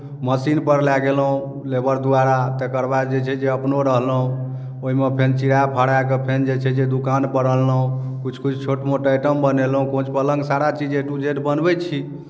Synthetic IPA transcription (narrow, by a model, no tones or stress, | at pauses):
məsinpəɾlaɡelɦũ | lebəɾd̪uaɾat̪ekəɾbad͡ʒet͡ʃʰɛd͡ʒeəpnoɾəɦlũ | oɦimepʰent͡ʃiɾaepʰaɽakepʰend͡ʒet͡ʃʰɛd͡ʒed̪ukanpəɾəlːɦũ | kut͡ʃʰkut͡ʃʰt͡ʃʰoʈmoʈəjʈəmbənelɦũkõt͡ʃʰpələŋɡsaɾat͡ʃid͡ʒeʈud͡ʒeʈbənbɛt͡ʃʰi